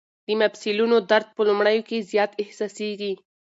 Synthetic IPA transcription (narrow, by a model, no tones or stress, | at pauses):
d̪əmabsilunod̪aɾd̪̚pəlumɽəjokezjɑːt̪ɪhsɑseɡi